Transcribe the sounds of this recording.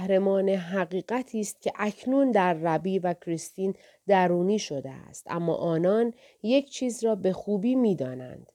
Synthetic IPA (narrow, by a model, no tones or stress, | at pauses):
hɾemɒːneɦæɣiːɣæt̪ʰiːst̪̚cʲʰe̞ʔæcʰnund̪æɾːæbiːvæcʰɾist̪iːn | d̪æɾuːniːʃo̞d̪ḛæ̰st̪ʔæ̰mːɒ̰ːʔɒːnɒːn | je̞cʰt͡ʃʰiːzɾɒːbe̞xuːbiːmiːd̪ɒːnæ̰nd̪̥